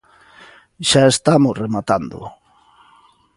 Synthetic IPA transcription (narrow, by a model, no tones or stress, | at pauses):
ʃaest̪amʊsremat̪and̪ʊ̰